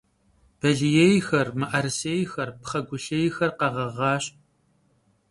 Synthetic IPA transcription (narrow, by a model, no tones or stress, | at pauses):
b̥ɐɮijejxɐrmɨʔɐrsejxɐrpχɐɡʷʊɬejxɐrqɐʁɐʁɑːɕ